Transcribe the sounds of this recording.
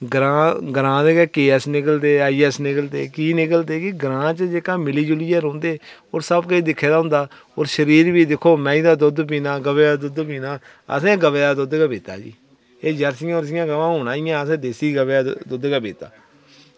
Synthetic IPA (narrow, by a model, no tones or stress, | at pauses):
ɡɾãːɡɾãːd̪eːkɛːkeːɛːsnɪkəlt̪eːaːiːɛsnɪkəlt̪ḛːkiːnɪkəlt̪eːkɪɡəɾãːt͡ʃəd͡ʒeːkãːmɪliːd͡ʒʊlɪjaːɾõːnd̪eːoːɾsəbkəiːd̪ɪkʰːeːd̪aːʊ̃nd̪aː | oːɾʃəɾiːɾbiːd̪ɪkʰːoːmɛ̃ːĩːd̪aːd̪ʊd̪p̬iːnaːɡəʋeːaːd̪ʊd̪piːnaː | ə̰sẽːɡəʋeːaːd̪ʊd̪kaːbeːt̪a̰ːd͡ʒḭː | eːd͡ʒəɾsɪjãoːɾəsɪjãːɡəʋãːɦʊːnaːɪjãːəsẽːd̪eːsiːɡəʋːaːd̪ʊd̪kaːbeːt̪a̰ː